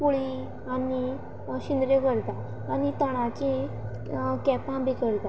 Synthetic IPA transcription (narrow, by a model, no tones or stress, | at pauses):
puɭi | ani | ɕind̪ɾeʋəɾt̪aː | nit̪əɽ̃at͡ɕẽ | kɛpãbikəɾt̪a